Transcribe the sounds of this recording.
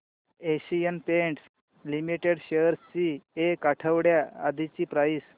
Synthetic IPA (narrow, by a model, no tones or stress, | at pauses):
eɕijənpeɳʈs | limiʈeɽɕejəɾst͡ɕiekaʈʰəʋɽja̰ːd̪ʱit͡ɕiːpɾaiːs